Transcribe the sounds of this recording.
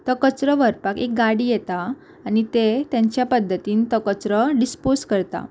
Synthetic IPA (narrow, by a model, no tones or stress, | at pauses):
t̪əkət͡sɾəʋəɾpakek̚ɡaɽiːjɛt̪aː | ñit̪et̪jãɲt͡ɕjapəd̪ʱːət̪iːnt̪ɔkət͡sɾəɖisposkəɾt̪a̰